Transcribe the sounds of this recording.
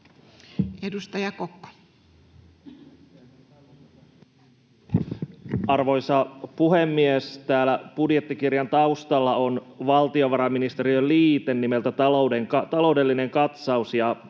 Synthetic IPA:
edust̪ɑjɑkokːo̥ | ɑrʋo̞jsɑpuɦe̞mːiest̪æːlæpudjet̪ːikirjɑnt̪ɑust̪ɑlːɑo̞nʋɑlt̪io̞ʋɑɾɑmːinist̪eɾiøliːt̪e̞nːime̞lt̪æt̪ɑlowdeŋkɑt̪ɑlo̞wde̞lːine̞ŋkɑt̪sɑusjɑ

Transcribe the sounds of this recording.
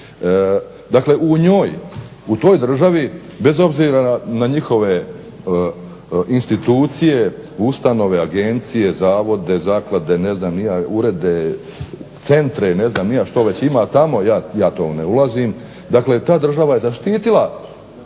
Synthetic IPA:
d̪akle̞ʔuɲo̞ːj | ut̪o̞ːjd̪r̩ʒaʋibe̞zo̞bziːɾanaɲixo̞ʋe̞ | inst̪it̪uːt̪sije̞ust̪ano̞ʋe̞aɡe̞nt̪sije̞zaːʋo̞d̪e̞zaːklˠad̪e̞ne̞znaːmnijauɾe̞d̪e | t̪se̞nt̪ɾene̞znaːmnijaʃt̪o̞ʋe̞t͡ɕimat̪amo̞jaːjaːt̪o̰ːneulˠazim | d̪akle̞t̪aːd̪r̩ʒaʋaje̞zaʃt̪iːt̪ilˠa

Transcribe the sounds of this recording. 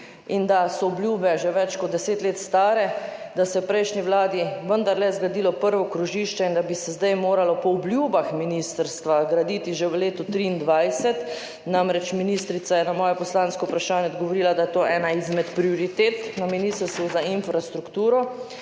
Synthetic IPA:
ind̪asɔɔbljuːbɛʒɛʋɛt͡ʃkɔt̪d̪̚d̪ɛseːt̪leːt̪st̪aːɾɛd̪asɛɛpɾɛjʃniʋlaːd̪iʋənd̪aɾlɛzɡɾad̪iːlɔpəɾʋɔkɾuʒiːʃt͡ʃɛind̪abisɛzd̪ajmoːɾalɔpɔɔbljuːbaxminist̪əɾst̪ʋaɡɾad̪iːt̪iʒɛʋəleːt̪ut̪ɾiːnd̪ʋajsɛt̪ | namɾɛt͡ʃminist̪ɾit̪sajɛnamɔːjɛpɔslaːnskɔupɾaʃaːnjɛɔd̪ɔɡɔʋɔɾiːlad̪ajɛt̪oːʔɛːnaizmɛt̪pɾiɔɾit̪eːt̪naminist̪əɾst̪ʋuzainfɾast̪ɾukt̪uːɾɔ

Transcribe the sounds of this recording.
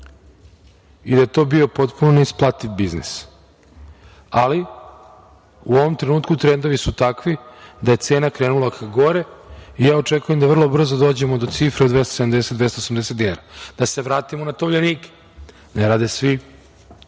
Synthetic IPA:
id̪ajet̪o̞bio̞po̞t̪punoneisplˠat̪iʋbiznḭs | ali | uo̞ʋo̞mt̪ɾenuːt̪kut̪ɾend̪o̞ʋisut̪akʋid̪aje̞t̪se̞ːnakɾeːnulakʰaɡo̞ɾe̞ijaːo̞t͡ʂekuje̞md̪aʋr̩lˠo̞br̩zod̪oːd͡ʑe̞mo̞d̪o̞t̪sifɾed̪ʋest̪o̥sed̪amd̪eset̪d̪vest̪osamd̪eset̪eaɾad̪ase̞ʋɾaːt̪imonat̪oʋʎeniːke̥ | neɾaːd̪esʋi

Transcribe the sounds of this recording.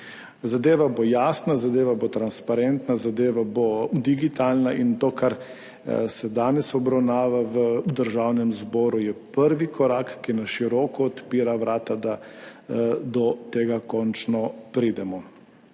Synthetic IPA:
zad̪eːʋabojaːsnazad̪eːʋabot̪ɾanspaɾɛnt̪nazad̪eːʋabod̪iɡit̪aːlnaʔint̪oːkʰaɾ | sɛd̪aːnɛsɔbɾawnaːʋaʋəud̪əɾʒawnɛmzbɔːɾujɛpəɾʋikɔɾaːkːinaʃiɾɔːkɔːt̪piːɾaʋɾaːt̪ad̪a | d̪ɔt̪eːɡakɔnt͡ʃnɔpɾid̪ɛmɔ

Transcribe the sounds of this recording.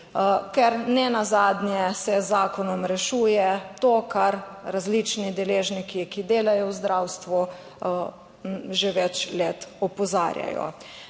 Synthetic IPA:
kɛɾnɛnazaːd̪nʲjɛsɛzaːkɔnɔmɾɛʃuːjɛt̪okaɾːazlit͡ʃnid̪ɛleːʒnikikid̪eːlajɔwzd̪ɾawst̪ʋu | ʒeʋɛt͡ʃleːt̪ɔpɔza̰ːɾja̰jɔ̰

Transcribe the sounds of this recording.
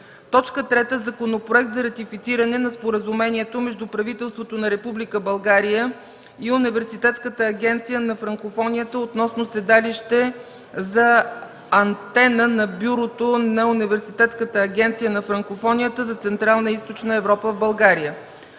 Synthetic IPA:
t̪ɔt͡ʃkət̪ɾɛt̪əzɐkonopɾoɛk̚t̪zɐɾɐt̪ifit̪siɾɐnɛnɐspoɾəzumɛniɛt̪omɛʒd̪upɾɐvit̪ɛlˠst̪vot̪onɐɾɛpublikəbɐlˠɡaɾijə | iʊnivɛɾsit̪ɛt̪skət̪əːɡʲɛnt̪sijənɐfɾɐŋkofɔnʲijət̪əot̪nɔsnosɛd̪aliʃt̪ɛ | zɐ | ɐnt̪ɛnənɐbjuɾot̪onɐunivɛɾsit̪ɛt̪skət̪əːɡʲɛnt̪sijənɐfɾɐŋkofɔnijət̪əzɐt̪sɛnt̪ɾalˠnəist̪ot͡ʃnəɛvɾɔpəvbɐlˠɡaɾijə

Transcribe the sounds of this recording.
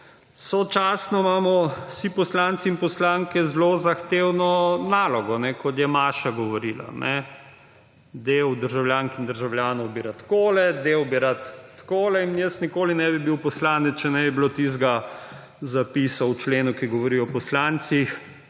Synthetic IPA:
sɔt͡ʃasnɔmaːmɔsipɔslaːnt̪siːnpɔslaŋkɛzlozaxt̪eːwnɔnaːlɔɡɔnɛkɔt̪jɛmaːʃaɡɔʋɔɾiːla̰nʔɛ | d̪ewd̪əɾʒawljaːŋkind̪əɾʒawljaːnɔwbiɾat̪koːlɛd̪eːwbiɾat̪ːkoːlɛinjəsnikoːlinɛbibiwpɔslaːnɛt͡s̪t͡ʃɛnɛbibilot̪izɡa | zapisawt͡ʃleːnukiɡɔʋɔɾiɔpɔslant̪six

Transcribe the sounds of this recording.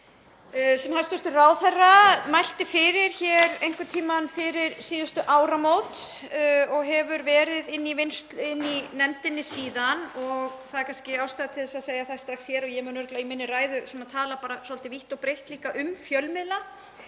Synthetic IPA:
sɛmhalst̪ʏst̪ʏraːwθɛrːamajl̥t̪ɪfɪːɾɪɾ̥çɛɾejŋ̥kʏt̪ʰiːmanfɪɾɪɾ̥siːðʏst̪ʏʔaːwɾamowt̪ | ɔɣɦɛvʏɾvɛːɾɪðɪnːivɪnst̪ɪnːinɛmt̪ɪnːɪsiːðanɔɣθaðɛɾkʰanscɪawst̪aðat̪ʰɪðɪsaðseːjaθast̪ɾakstçɛɾɔɣjɛmʏːnɾklaimɪnːɪraːjðʏsɛnːat̪ʰaːlapaːɾasɔlt̪ɪviht̪ɔɣpɾejht̪liːkaʔʏmfjœlmɪla

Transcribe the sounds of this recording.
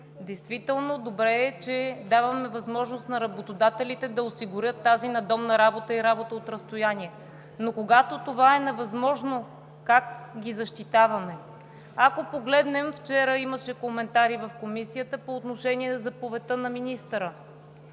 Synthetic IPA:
d̪ɛjst̪vit̪ɛlˠnod̪obɾɛːt͡ʃɛd̪avɐmɛvɐzmɔʒnost̪nɐɾɐbot̪od̪at̪ɛlit̪ɛd̪ɐosiɡʊɾʲjət̪ːazinɐd̪ɔmnɐɾabot̪əiɾabot̪əot̪ɾɐst̪ojaniɛ | nokoɡat̪ot̪ovaɛnɛvɐzmɔʒno | kakɡʲizɐʃt̪it̪avɐmɛ | ɐkopoɡlɛd̪nɛmft͡ʃɛɾəiməʃɛkomɛnt̪aɾivɐfkomisiət̪əpoːt̪noʃɛniɛzɐpovɛt̪ɤnɐminist̪əɾə

